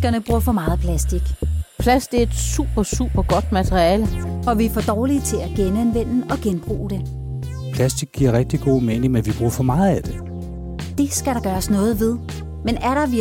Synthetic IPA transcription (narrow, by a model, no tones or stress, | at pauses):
ɡ̥ɐnəb̥ʁuɐ̰fɒ̽mɑ̈ːð̩ˠpʰlæsd̥iɡ̥pʰlæsd̥eɐe̝d̥sṵb̥ɐsuːb̥ɐɡ̥ɒ̽d̥mæt͡sʰʁiɛːləɒ̽ʋifɒd̥ɒːlit͡sʰe̝læɡ̥enænʋen̰n̩ɒ̽ɡ̥enb̥ʁṵːɾ̥e̝ | pʰlæsd̥iɡ̥ːiɐ̰ʁɛɡ̥̚d̥iɡ̥o̝̰ːmeːnŋmenʋib̥ʁuːɐfɒ̽mɑ̈ːð̩ˠæd̥e̝ | d̥e̝sɡ̥æɾ̥ɑ̈ɡ̥ɶːɐsnɔ̽ːð̞̩ˠʋe̝ð̞ˠ | menæɐɾ̥ɑ̈ʋ